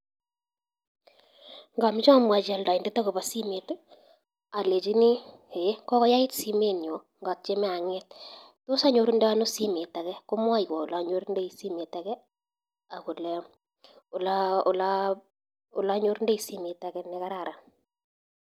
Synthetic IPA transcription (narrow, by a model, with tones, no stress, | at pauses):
ŋɡa˨mi˦t͡ʃːmwa˨d͡ʒa˨lda˨i˨ndɛ˦ta˦ku˨ba˨si˦me˨t | a˨le˨t͡ʃi˦ni˦ | e˨˦kɔ˦kɔ˦ja˦i˦tsi˦me˦ni˨o˨ | ŋɡa˨t̚t͡ʃe˦mɛ˦a˨ŋɛ˦t̚ | to˦sa˦ɲo˨ɾu˦ndɛ˦a˦no˦si˦me˨ta˨kɛ˦ko˦mwa˦ikwa˨ʊ˨la˨˦ɲo˦ɾu˦nde˦isi˦me˨ta˨kɛ˦ | a˨ku˨lɛ | ʊ˨laʊ˨la | ʊ̰˨la˦ɲo˦ɾnde˦i˨si˦me˨ta˨kɛ˦nɛ˦ka˦ɾa˨ɾa˨